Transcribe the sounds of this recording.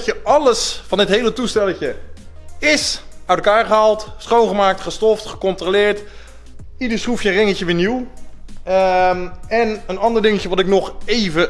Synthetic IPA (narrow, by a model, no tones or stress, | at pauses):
cəʔɑləsfɑnɪtɦejlətustɛləcə | ɪsœɥtəlˠkaːɹχəɦalˠtsχownχəmaːk̚tχəstɔftχəkɔntrolɪːɹt | idəɹsrufjəənrɪŋəcəʋɪːniw | ɛnənɑndəɹdɪŋəcəʋɑtɪk̚nɔχejvə